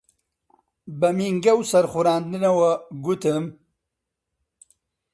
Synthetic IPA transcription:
bɐmiŋɡɐwsɐɾχuɾɑːnd̪inawaɡut̪əm

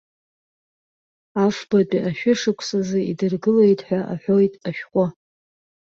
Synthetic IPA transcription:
afb̥at͡pʼiʔaʃᶣʊʂɨkʷʰsazɨidɨrɡɨle̞jtʼħʷᶣaʔaħʷᶣo̞jtʼaʃᶣqʷʼʊ

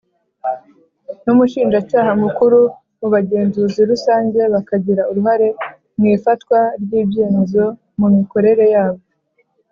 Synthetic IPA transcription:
numuʃiːnʒacaːɦamukuɾu | uβaɟe̞ːnzuziɾusaːɲɟe̞βakaɟiɾauɾuɦaɾe̞ | mŋiːfatkwaɾɟiːbje̞ːmezo̞ | mumiko̞ɾe̞ɾe̞jaːβo̞

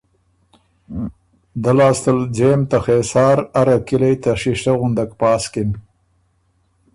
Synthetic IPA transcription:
d̪alɑːst̪əld͡ʒemt̪axeːsɑːɾaɾakilajt̪aʂiʂʈaɣʊnd̪akpɑːskim

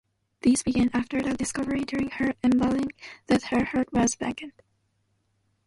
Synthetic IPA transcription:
ðizbɨɡæ̃næftə˞ɾədɨskʌvə˞ɪ̃dʊɹɪ̃ŋhə˞ɨ̃nbɛlˠɪ̃ŋðɨt̚hə˞hɜ˞t̚wʌzbɛ̰kɨ̃nd̥

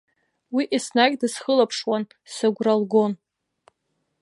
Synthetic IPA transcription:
wiʔisnaɡʲdɨsχəlapʰʂwan | saɡʷralɡo̞n

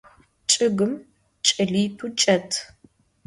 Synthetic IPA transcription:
t͡ʃʼɨɡɨm | t͡ʃʼɐɮiːtʰut͡ʃʼɐtʰ

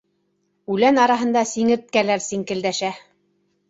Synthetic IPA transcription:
ʉlænɑɾɑɦɤ̆nd̪ɑsiŋɘ̆ɾt̪̚kælæɾsiŋkɘ̆ld̪æʃæ

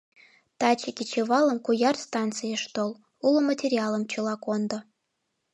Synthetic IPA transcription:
t̪ɑt͡ɕəkʲit͡ɕeβɑləmkujɑrst̪ɑnt̪t͡sɨjəʃt̪ol | ulomətʲerʲiɑlə̆mt͡ɕəlɑkond̪o

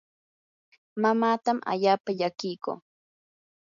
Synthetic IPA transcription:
mamaːt̪ama̰ʎaːpaʎakɪjko̰ː

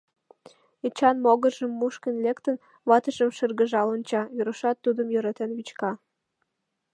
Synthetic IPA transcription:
et͡ɕɑnmoɣərʒəmːuʃkənlekt̪ən | βɑt̪əʒəmʃərɣəʒɑlonʲt͡ɕɑjyɾəʃɑt̪ːud̪əmjøɾɑt̪enβit͡ɕkɑ

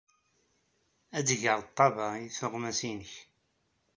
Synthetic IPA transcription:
æd̪ʝəɾˤt̪ˤːɑvɑiθʊʁmæsinəç

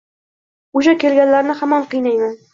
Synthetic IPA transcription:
uʃakʲelɡʲanlaɾnɪhamɒɴqɨjnajman

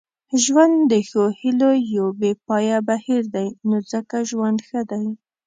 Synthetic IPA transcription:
ʒwand̪ːəxohilojobepɑjabahiɾd̪ajnozəkaʒwand̪xəd̪aj

